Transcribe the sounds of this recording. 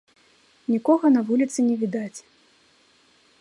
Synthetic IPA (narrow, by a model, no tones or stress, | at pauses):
nʲikɔɣɐnɐvulʲit̪sɨnʲɛvʲid̪at͡sʲ